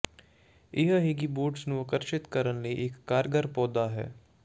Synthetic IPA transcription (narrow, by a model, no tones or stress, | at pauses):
ɪɦɦɪɡiboːɖsnũːəkəɾʃɪt̪kəɾənləiʔɪkːaːɾɡəɾpɔːd̪aːɦɛ̰ː